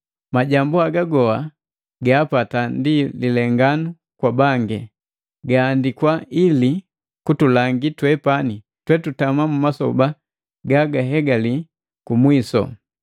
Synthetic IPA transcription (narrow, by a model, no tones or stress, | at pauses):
maɟambuaɡaɡɔha | ɡaːpatandililɛŋɡanu | kwabaŋɡɛ | ɡaːndikwaili | kutulaŋɡitwɛpani | twɛtutamamumasɔ̰ba | ɡaɡaɦɛɡali | kumwisɔ̰